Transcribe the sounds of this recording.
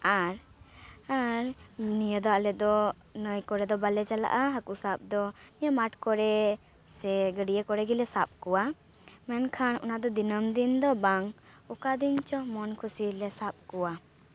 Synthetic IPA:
aɾ | aɾnijəd̪ɔalɛd̪ɔ | nəjkɔɾɛd̪ɔbalɛt͡ʃala̰ʔaɦakusap̚d̪ɔnijəmaʈkɔɾɛ | sɛɡəɖijəkɔɾɛɡilɛsap̚kɔwa | mɛnkʰanɔ̰nad̪ɔd̪inəmd̪ind̪ɔbaŋ | ukad̪int͡ʃɔmɔnkʰusilɛsap̚kɔwa

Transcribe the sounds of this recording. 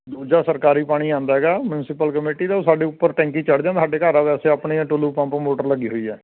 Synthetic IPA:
d̪uːd͡ʒaːsəɾkaːɾiːpaːɽ̃iːãːnd̪aːɦɛːɡaːmʊnɪsɪpəlkəmeːʈiːd̪aːoːsaːɖiːʊpːəɾʈɛ̃ːŋkiːt͡ʃəɽd͡ʒãːsʰaːɖeːkəɾaːʋɛːseːapɳiːãːʈʊluːpãːpɾəmoːʈəɾləɡiːɦoːiːɛ̰ː

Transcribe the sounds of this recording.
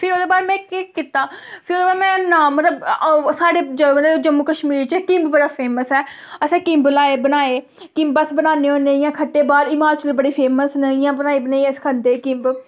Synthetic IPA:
pʰɪɾoːd̪eːbaːɾmɛ̃ːkikɪt̪ːaːpʰɪɾoːd̪eːbaːɾmɛ̃ːnãːmət̪ləbsaːɽeːd͡ʒmət̪ləd͡ʒəmːuːkəʃmiːɾt͡ʃɛkɪ̃mbbəɽaːpʰeːməsɛː | əsɛ̃ːkɪ̃mbnaːeːbənaːeː | kɪ̃mbəsbənaːneːɦõːneɪjãːkʰəʈːeːbaːɾɪmaːt͡ʃəlbəɽeːpʰeːməsnəijãːbənaːeːbənaːiəskʰənd̪eːkɪ̃mb

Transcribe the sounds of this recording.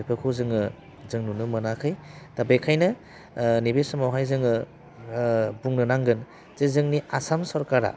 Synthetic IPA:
ajpʰɯkʰozɯŋɯ | zɯŋnunɯmɯnakʰɯjtabekʰajnɯ | nibesɔmawɦajzɯŋɯ | buŋnɯnaŋɡɯn | z̥ezɯŋniasamsɔɾkaɾa̰

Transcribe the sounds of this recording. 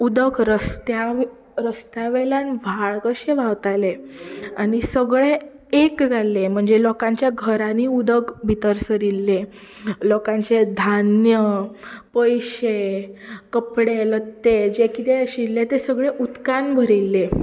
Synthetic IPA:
ud̪əkɾəst̪ja | ɾəst̪aʋelanʋʱaɭkəɕeʋaʋt̪aleañisəɡɭe | ekd͡zalːem̤əɳd͡zelɔkãɲt͡ɕjaɡʱəɾãniud̪əkbʱit̪əɾsəɾilːe | lɔkãɲt͡sed̪ʱanjəpəjɕe | kəpɽelət̪ːed͡ʑekit̪eəɕilːet̪esəɡɭeʔut̪kanbʱəɾilːe

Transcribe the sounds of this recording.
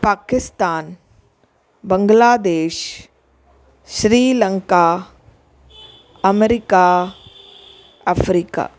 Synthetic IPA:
paːkɪst̪aːn | bɐŋɡlaːd̪eːʃ | ʃɾiːləŋkaː | ɐmɾika | ɐfʰɾiːka̰ː

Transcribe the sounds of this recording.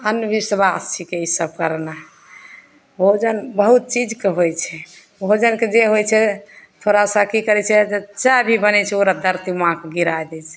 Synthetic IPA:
ənbisbast͡ʃʰikeisəb̚kəɾna | bʱod͡ʒənbəɦut̪̚t͡ʃid͡ʒkeɦojt͡ʃʰɛ | bʱod͡ʒənked͡ʒeɦojt͡ʃʰɛt̪ʰoɾasə̃kikəɾɛt͡ʃʰɛd͡ʒət͡ʃabʱibənɛt͡ʃʰɛoɾad̪əɾt̪imãkeɡiɾajd̪ɛt͡ʃʰɛ̥

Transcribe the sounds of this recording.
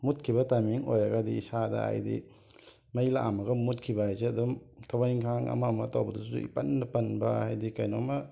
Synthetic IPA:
mut̚kʰibɐtamiŋojɾɐɡadiisadɐ̰a̰jdḭ | mɐjla̰ʔamɐɡɐmut̚kʰibahajseɐdumtʰawajŋkʰaŋɐ̰mɐːmɐtawbɐdusṵḭpɐndɐpɐnbɐ̰hajdikajnomɐ

